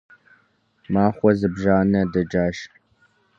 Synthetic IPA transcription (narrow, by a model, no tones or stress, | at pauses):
maːχʷɔzɨbʒaːnɐdɐd͡ʒaːʃ